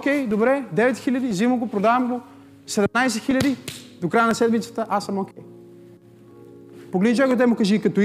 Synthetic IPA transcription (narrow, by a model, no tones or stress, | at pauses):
kʲɛjd̪obɾɛd̪ɛvɛt̪xilʲɐd̪iziməɡopɾod̪avɐmɡo | sɛd̪ɛmnajs̬ɛxilʲɐd̪id̪okɾajənɐsɛd̪mit̪sə̥t̪əʔasɐmokʲɛj | poɡlɛd̪it͡ʃaɡot̪̬ɛmʊkɐʒikɐt̪o